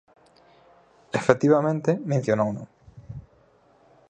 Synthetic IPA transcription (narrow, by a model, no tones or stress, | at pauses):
efet̪iβamẽnt̪ɪmẽn̟θjonowno̰